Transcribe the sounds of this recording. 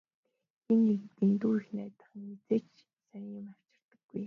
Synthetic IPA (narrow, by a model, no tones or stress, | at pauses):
enːekt̪int̪uːixnæːt̪ə̥̆χmit͡set͡ɕ | sajimar̥t͡ɕɪ̥̆r̥t̪ə̥̆ɡ̥ːuj